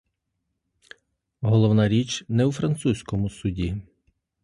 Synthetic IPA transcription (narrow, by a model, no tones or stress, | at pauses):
ɦɔlˠɔwnɑɾʲit͡ʃnɛwfɾɐnt̪susʲkɔmʊsʊdʲi